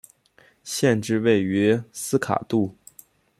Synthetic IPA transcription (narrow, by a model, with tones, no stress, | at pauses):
ɕjɛ˥˧nʈ͡ʂɻ̩˥˧we˥˩ɪy˧˥sɹ̩˥kʰa̰˨˩t̪u˥˩